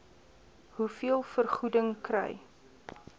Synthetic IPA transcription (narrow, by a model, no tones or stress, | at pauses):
ɦufiəlˠfərχudəŋkrɛ̰j